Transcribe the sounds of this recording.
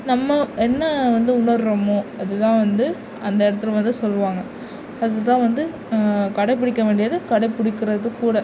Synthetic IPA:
nɐmːɐɛnːɐʋɐnd̪ɯʊɳɐɾɯɾɐmoːɐðɯt̪ãːʋɐnd̪ɯ | ɐnd̪ɐɪɽɐt̪ːɯlʋɐnd̪ɯsɔlːɯʋaːŋɡɐ | ɐðɯt̪ãːʋɐnd̪ɯ | kɐɽɐɪpːɪɽɪkːɐʋeːɳɖɪjɐðɯkɐɽɐɪpːɪɽɪkːɪɾɐðɯkːuːɽɐ

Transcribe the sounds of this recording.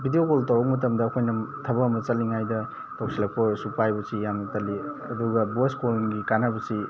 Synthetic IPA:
bʱidiokoltɐwbɐk̚mɐt̬ɐmdɐːkʰojnɐtʰɐbɐːmɐt͡ʃɐliŋajdɐ | tawsilak̚pʰoɾsupajbusijamnɐtɐliɐduɡɐboskolŋɡikanabɐsi

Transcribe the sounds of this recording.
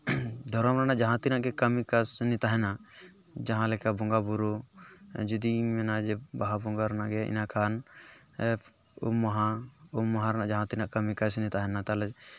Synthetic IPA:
d̪ʱɔɾɔmɾanaʔd͡ʒaɦãt̪inaʔɡɛkəmikasnit̪aɦɛna | d͡ʒaɦãlɛkabɔŋɡabuɾu | d͡ʒud̪imɛnad͡ʒɛbaɦabɔŋɡaɾnaʔɡɛḭnakʰan | ɛ | ṵmːaɦãumːaɦãɾɛnaʔd͡ʒaɦãt̪inaʔkəmikasnit̪aɦɛnat̪alɛ

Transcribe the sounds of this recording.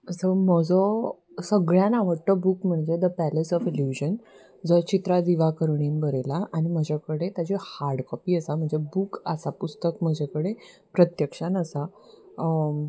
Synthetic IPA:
səməd͡zɔ | səɡɭjanaʋəɽʈ̪əbuːkm̤əɳd͡zed̪əpælesɔfiljud͡ʑən | d͡zɔt͡ɕit̪ɾad̪iʋakəɾɳiːnbəɾelaʔaɽ̃im̤əd͡ʑʱakəɽet̪jat͡ɕehaɾɽkəpiːəsam̤əɳd͡zebuːkəsapust̪əkm̤əd͡ʑʱakəɽe | pɾət̪jəkʂanasa

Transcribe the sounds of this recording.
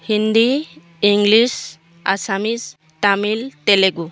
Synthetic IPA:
hind̪i | iŋɡlis | a̰samis | t̪amilt̪eleɡu

